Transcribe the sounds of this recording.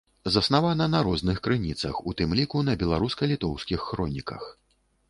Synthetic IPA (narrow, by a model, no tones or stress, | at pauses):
zɐsnavanɐnɐɾɔznɨxkɾɨnʲit̪sɐ̰xut̪ɨmlʲikunɐbʲɛlˠaɾuskɐlʲit̪ɔwskʲixːɾɔnʲikɐ̰x